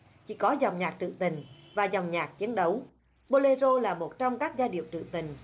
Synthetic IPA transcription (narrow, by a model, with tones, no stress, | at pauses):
t͡ɕḭ˧˥kɔ˨˦zɔ˨˩wŋ͡mɲaː˨˩k̚t̪ɨ̰˧˨t̪ï˨˩ŋ̟ | vaː˨˩zɔ˨˩wŋ͡mɲaː˨˩k̚t͡ɕi˨˦ənɗə˨˦w | ɓo˧le˧zo˧laː˨˩mo˨˩t̚t͡ɕɔ˧wŋ͡mkaː˦˥k̚zaː˧ɗḭ˧˨əwt̪ɨ̰˧˨t̪ï˨˩ŋ̟